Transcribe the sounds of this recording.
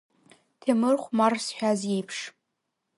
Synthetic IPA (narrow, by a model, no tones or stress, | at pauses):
tʰemɨrχʷmarsħʷᶣazjejpʰʂ